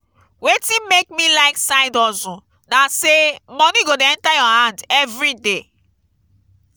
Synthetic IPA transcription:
wetĩmek̚milaɪksaɪdɔzũ | nasemɔ̃niɡodeɛ̃ntajɔɦãndɛvɾide

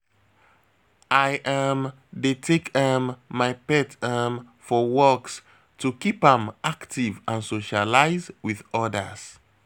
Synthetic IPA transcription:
ʔajʔam | detʰekamːaɪpɛtʰam | fɔwɔks | tukipãmaktivãnsoʃalaɪzwiðɔdə̰s

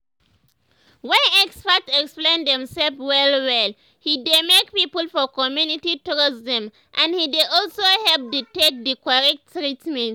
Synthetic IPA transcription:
wɛ̃nɛkspatɛksplẽnðɛ̃msɛlpwɛlwɛl | hidemek̚pipəlfɔkɔmjunitituɹisdɛ̃m | ʔãnhideʔɔlsohɛlp̚dutek̚dɨkɔɹɛk̚tɹitmɛ̃nt

